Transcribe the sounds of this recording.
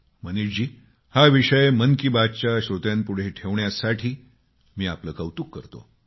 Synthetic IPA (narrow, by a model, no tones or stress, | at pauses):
məniɕd͡ʑiː | haʋiʂəjmənkibat͡ɕaɕɾot̪jãnpuɽ̤eʈʰeʋɳjasaʈʰiː | miːapləkəwt̪ukːəɾt̪o̰